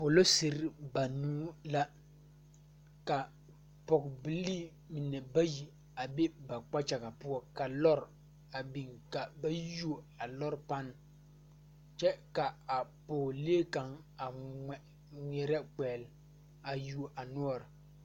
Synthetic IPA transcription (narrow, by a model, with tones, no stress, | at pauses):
po˨lo˦sɪ˨ɾba˨nuː˦la˦ | ka˨ | pɔ˨kbi˨liː˦ | mɪ˨nɛ˨ba˦ji˨ | a˨be˦ba˨k͡pa˦t͡ʃa˨ɣa˨pʊ˦ɔ˦ka˨lɔ˦ɾ | a˨bi˨ŋka˨ba˦ju˦o˨ | a˨lɔ˦ɾpa˦n˨ | t͡ʃɛ˦ka˨a˨poː˨li˦e˦ka˨ŋ | a˨ɛ˨ | ŋ˨ɛ˨ɾɛ˦k͡pɛː˨l | a˨ju˦o˨ʔa˨nu˦ɔ˦˨ɾ